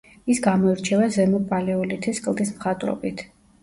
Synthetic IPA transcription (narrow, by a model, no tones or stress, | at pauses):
isɡamɔiɾt͡ʃʰɛvazɛmɔbʼalɛɔlit̪ʰiskʼlˠd̪ismχat̪ʼɾɔ̰bit̪ʰ